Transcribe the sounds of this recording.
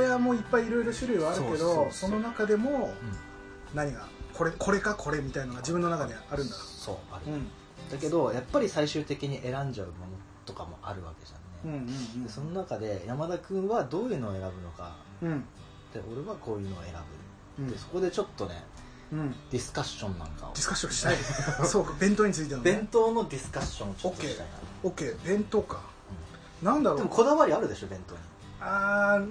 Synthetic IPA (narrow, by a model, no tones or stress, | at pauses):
ɾeβamo̞ːipːaiːɾo̞iɾo̞ɕɨɾɯ̟iβaːɾɯke̞d̪o̞so̞no̞nakad̪e̞mo̞ɯ̟̃ɴ | naɲ̟iɡakʰo̞ɾekʰo̞ɾe̞kakʰo̞ɾe̞mʲit̪ainoɡad͡ʑibɯ̃nːonakad̪eaɾɯ̟̃nd̪at̪oso̞̰ːaɾɯ̟ | d̪̥ake̞d̪o̞japːaɾʲisaiɕɨːt̪e̞kʲiɲ̟iʔe̞ɾãɲd͡ʑaɯ̟mo̞no̞ | t̪o̞kamo̞̰ʔa̰ɾɯ̟βa̰ke̞d͡ʑa̰nẽ̞̰d̪e̞so̞no̞nakad̪e̞jamad̪akɯ̟̃ɰ̃βad̪o̞ːjɯ̟ːno̞ːe̞ɾabɯ̟no̞kã̰ | t̪ːe̞ʔo̞ɾe̞βako̞ːjɯ̟ːno̞ːe̞ɾabɯ̟̰ | d̪e̞so̞̥ko̞d̪e̞t͡ɕo̞t̪ːo̞nẽ̞̰ | d̪̥ʲisɨ̥kaɕːõ̞nːã̰ŋka̰o̰d̥̪isɨ̥kaɕːõɕi̥asoːkabẽ̞nt̪oːɲ̟it͡sɨit̪enobẽ̞nt̪o̞ːno̞d̪ʲisɨ̥kaɕːõot͡ɕot̪ːoit̪a̰ina̰okːeːbẽ̞nt̪oːka | ɯ̟̃ɴ | nãnd̪aɾodemoko̞d̪aβaɾʲiaɾɯ̟d̪e̞ɕo̞bẽ̞nt̪o̞ːɲ̟i | aː